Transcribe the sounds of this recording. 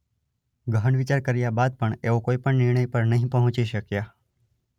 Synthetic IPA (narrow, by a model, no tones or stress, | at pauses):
ɡəɦəɳʋit͡ʃaɾkəɾjabad̪̚pəɳeʋokoipəɳnɪɾɳəjpəɾnəɦĩpəɦʊ̃t͡ʃiʃəkja